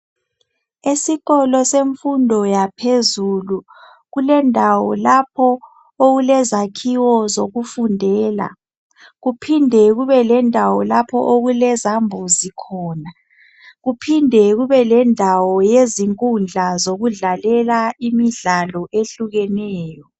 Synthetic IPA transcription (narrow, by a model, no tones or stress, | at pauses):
esiɣɔlɔseɱfundʱɔjapʰezulu | ɣulɛndʱawɔ̰lapʰɔ | oɣulɛzakʰiwɔzoɣufundʱɛːla̰ | ɣupʰindʱɛɣuβɛlɛndʱawɔlapʰɔ̰ʔoɣulɛzambʱuzikʰɔːna | ɣupʰindʱɛɣuβɛlɛndʱawɔjeziŋkʼund͡ɮʱazoɣuɮalɛlaimiɮalɔʔeɬuɣɛnɛːjɔ